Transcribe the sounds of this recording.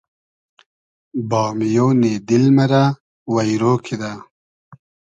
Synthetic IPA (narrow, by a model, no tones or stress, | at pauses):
bɑːmijoːneːd̪ilmɐɾa | wajɾoːkʰid̪a